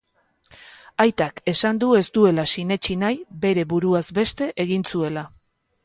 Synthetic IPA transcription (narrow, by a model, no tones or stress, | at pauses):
ajt̪ake̞sand̪ue̞st̪ue̞lasine̞t͡ʃinajbe̞ɾe̞βuɾuazbe̞st̪e̞ʔeɣ̞insue̞la